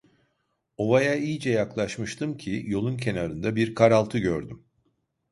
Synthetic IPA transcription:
o̞vajaijd͡ʒɛjaklˠaʃmɯʃt̪ʰɯmcʰijo̞lˠuncʰe̞naɾɯnd̪abiɾkʰaɾalˠt̪ʰɯɟøɾd̪ym

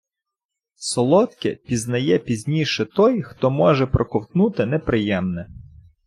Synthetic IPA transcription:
sɔlˠɔt̪kɪpʲiznɐjɛpʲizʲnʲiʃɛt̪ɔjxt̪ɔmɔʒɛpɾʔɔkɔwt̪nut̪ɪnɛpɾɪjɛmnɛ

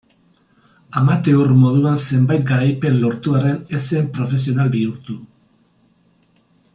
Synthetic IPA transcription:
amat̪e̞urmo̞ð̞uanse̞mbajt̪̚ɡaɾajpe̞nlo̞ɾt̪uare̞nesempɾo̞fe̞s̬io̞nalbiuɾt̪u

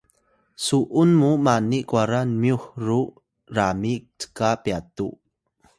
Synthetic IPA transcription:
suʔunmumaniʔkwaɾanmjuxru | ramik̚tə̥kapjatṵ

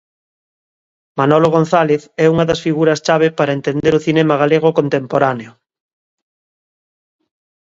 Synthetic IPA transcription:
manɔloɣ̞on̟θaleθɛuŋɐðɐsfiɣuɾɐst͡ʃaβ̞epaɾaent̪end̪eɾoθinemaɣaleɣ̞okont̪empoɾaneo

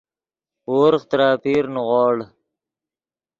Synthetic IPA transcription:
woːɾχt̪ɾaːpiːɾnuʁɑːɽ

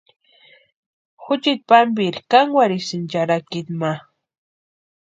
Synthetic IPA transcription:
xʊt͡ʃɪt̪̚pambiɾkaŋwaɾisɪnt͡ʃaɾakɪt̪ma

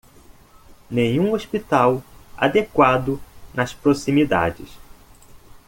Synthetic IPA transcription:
nẽɲũoʃpit̪awa̰d̪ekwad̪ʊnɐspɾosĩmid̪a̰d͡ʒɪs

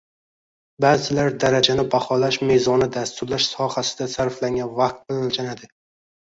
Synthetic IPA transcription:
baːzɪlaɾd̪aɾad͡ʒanɪbahɒlaʃmezɒnɪd̪ast̪ʊɾlaʃsɒhasɪ̥d̪asaɾflaŋɡʲanvat̪̚bɪlnlt͡ʃʰanad̪ɪ

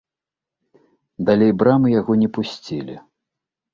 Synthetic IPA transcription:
d̪alʲejbɾamɨjaɣɔnʲɛpusʲt͡sʲilʲḭ

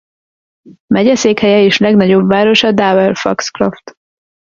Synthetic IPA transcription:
mɛɟɛseːkhɛjɛeːʃlɛɡnɒɟo̞bvaːɾo̞ʃɒd̪aːvɛlfɒ̰ksklo̰ft̪

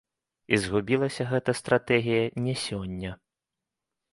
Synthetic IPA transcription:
izɣubʲilˠɐsʲɐɣɛt̪ɐst̪ɾat̪ɛɣʲijɐnʲɛsʲɔnʲːɐ

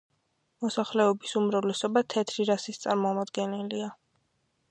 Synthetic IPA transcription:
mɔsaχlɛɔbisumɾavlɛsɔbat̪ʰɛt̪ʰɾiɾasist̪sʼaɾmɔmad̪ɡɛnɛlia

